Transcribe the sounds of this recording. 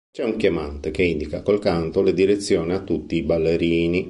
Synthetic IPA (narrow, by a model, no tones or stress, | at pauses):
t͡ʃɛuŋkjamant̪ekeind̪ikakolkant̪oled̪iɾet̪sːjoːniat̪ːut̪ːiːbalːeɾiːni